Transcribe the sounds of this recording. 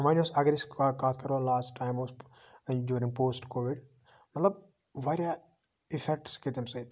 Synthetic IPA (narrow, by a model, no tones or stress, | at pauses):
mãnosɐɡɾisakaːt̪ʰkɐɾolaːsʈːãjmoːsɖjuːɾɪ̃ŋɡpoːsʈkoːʋiɖ | mɐt̪ləb̚ | ʋaːɾja | ifɛk̚ʈskit̪emsɐit̪